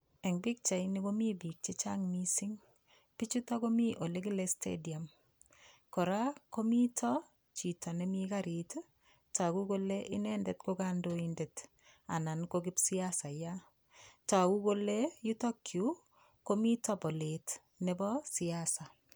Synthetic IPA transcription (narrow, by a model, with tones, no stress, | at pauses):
ɛ˨ŋbi˦k̚t͡ʃa˨jni˦ko˦mi˦bi˨k̚t͡ʃe˦t͡ʃa˦ŋmisiŋ | pit͡ʃutɔ˦komi˦ʔo˨le˦ki˦lestʰḛdi˨a˨m | kɔ˨ɾa˦ko˦mitʰɔ | t͡ʃi˨tɔ˨nemikaɾit | ta˨kuko˦leʔɪ˦nɛ˦nde˨tkokandoindet | a̰˨na˨nkokɪ˦psi˦asa˨ja | ta˨ku˦ko˦leju˦tɔ˦kʰju | ko˦mi˦tɔ˦po˨let | nebɔsiasa˨